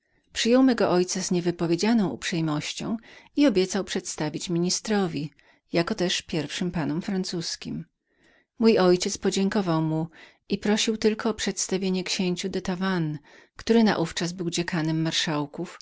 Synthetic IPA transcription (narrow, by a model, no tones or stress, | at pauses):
pʂɘjɔwmɛɡɔʔɔjt̪sazɲɛvɘpɔvʲjed͡ʑanɔ̃w̃ṵpʂɛjmɔɕt͡ɕɔ̰̃w̃iɔbʲjɛt̪sawpʂɛt̪st̪avʲit͡ɕmʲiɲist̪ɾɔvʲi | jakɔt̪ɛʂpʲjɛɾfʂɘmpanɔmfɾant̪suskʲim | mujɔjt͡ɕɛt̪spɔd͡ʑɛŋkɔvawmu | ipɾɔɕiwt̪ɘlkɔːpʂɛt̪st̪avʲjeɲɛkɕeɲt͡ɕud̪ɛt̪avan | kt̪uɾɘna̰ʔuft͡ʂazbɘwd͡ʑɛkanɛmːaɾʂawkuf